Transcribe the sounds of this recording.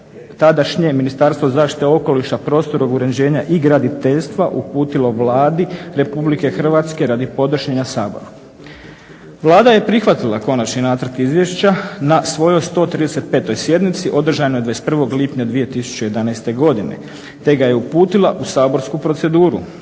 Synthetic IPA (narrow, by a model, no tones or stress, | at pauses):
t̪ad̪aʃɲe̞minist̪aɾst̪ʋozaːʃt̪i̥t̪eo̞ko̞liʃapɾo̞ːst̪o̞ɾoɡuɾeɲd͡ʑe̞ːɲaʔiɡɾad̪it̪eʎst̪ʋaʔupuːt̪ilˠo̞ʋlaːd̪iɾe̞publike̞xr̩ʋat̪ske̞ɾaːd̪ipo̞d̪oʃɲeɲasaːbo̰ɾa | ʋlˠaːd̪aje̞pɾixʋat̪ilˠako̞nat͡ɕninaːt̪ərt̪izʋjeʃt͡ɕanasʋo̞jo̞jst̪o̞ːt̪ɾiːd̪e̞se̞t̪̚pe̞ːt̪o̞jsje̞d̪mit̪siʔo̞d̪ɾr̩ʒanoed̪aest̪pr̩ʋo̞ɡlipɲad̪ʋije̞t̪isu̥t͡ɕejed̪anajst̪e̞ɡo̞d̪inḛ | t̪e̞ɡajeupuːt̪ilˠaʔusaːbo̞ɾskupɾo̞t̪se̞d̪uːɾṵ